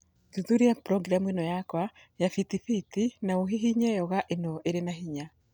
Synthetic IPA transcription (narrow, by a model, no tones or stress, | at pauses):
tuðuɾiapɾɔɡɾamuenɔjakwa | jafitifitinaoɦiɦiɲɛjɔɣaʔenɔʔeɾenaɦiɲa